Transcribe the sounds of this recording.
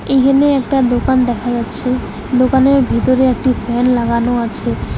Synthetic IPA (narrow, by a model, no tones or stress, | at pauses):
ejkʰaneɛk̚ʈad̪okand̪ɛkʰad͡ʑatːɕʰe | d̪okaneɾbʱit̪oɾeek̚ʈifʰɛnlaɡanoat͡ɕʰe